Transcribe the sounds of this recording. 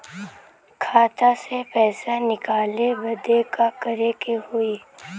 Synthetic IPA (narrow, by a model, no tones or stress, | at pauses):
kʰaːt̪asepɛːsanɪkaːlebɐd̪ekakɐɾekehʊiː